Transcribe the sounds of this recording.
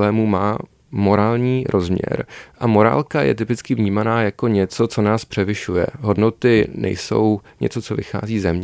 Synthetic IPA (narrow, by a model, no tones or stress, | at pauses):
lɛːmumaː | mo̞ɾaːlɲiːɾʔo̞zmɲɛ̰ɾʔamo̞ɾa̰ːlkajɛ̰t̪ɪpɪt͡skɪvɲiːmanaːjako̞ɲɛt͡so̞t͡so̞naːspr̥ɛvɪʃujɛ̰ɦo̞dno̞t̪ɪnɛ̰jso̞̰wɲɛ̰t͡so̞t͡so̞vɪxa̰ːziːzɛmɲɛ